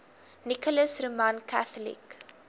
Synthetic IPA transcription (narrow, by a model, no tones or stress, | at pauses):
nikɔləsrəmankæθəlḭk